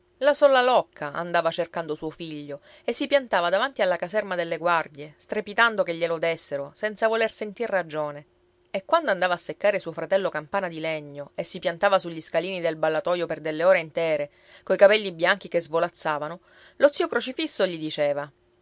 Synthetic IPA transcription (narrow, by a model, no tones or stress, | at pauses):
lasɔlːalɔkʰːaa̰nd̪aːvat͡ʃerkand̪osuːofiʎːo | esːipjant̪aːvad̪avant̪ialːakazɛrmad̪elːeɡward̪jest̪ɾepit̪and̪okeʎːelod̪esːeɾosɛnt̪savolersent̪irːad͡ʒoːne | ekwand̪oand̪avaːsːekːaːɾesuofɾat̪ɛlːokampaːnad̪ilɛɲːoesːipjant̪aːvasuʎːiskaliːnid̪elbalːat̪ɔjoperd̪elːeoːɾeint̪ɛːɾe | kojkapɛlːibjaŋk̟ikezvolat̪sːaːvano | lot̪siːokɾot͡ʃifisːoʎid̪it͡ʃeːva